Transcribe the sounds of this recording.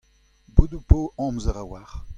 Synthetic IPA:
bud̪upoʔɑ̃mzəʁawaʁ

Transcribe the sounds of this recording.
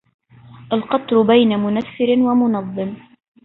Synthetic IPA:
ʔalqɑt̪ˤɾʊbajnamʊnaθːɪɾɪnwamʊnɑðˤːɨm

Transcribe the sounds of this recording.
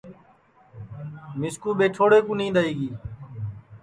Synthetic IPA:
mɪskuːɓeːʈʰoːɽeːkũːnĩːd̪aːiːɡiː

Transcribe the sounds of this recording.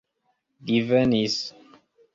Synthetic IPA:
divɛnis

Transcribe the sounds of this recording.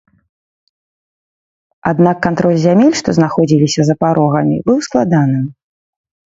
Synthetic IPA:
ad̪nakːant̪ɾɔlʲzʲamʲelʲʂt̪ɔznaxɔd͡zʲilʲisʲɐzɐpaɾʔɔɣɐmʲḭbɨwsklˠad̪anɨm

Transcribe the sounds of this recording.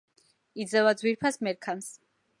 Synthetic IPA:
id̪zɛvad̪zwiɾpʰasmɛɾkʰans

